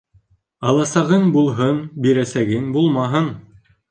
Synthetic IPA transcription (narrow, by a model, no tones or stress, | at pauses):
ɑlˠɑsɑʁɤɴbulˠɦɤnbiɾæsæɡɘŋbulˠmɑɦɤn